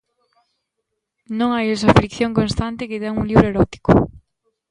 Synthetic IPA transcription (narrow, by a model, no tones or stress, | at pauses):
nõŋajesafɾikθjõŋkõnst̪ant̪ɪkɪt̪ɛŋuŋliβɾoeɾɔt̪i̥kʊ̰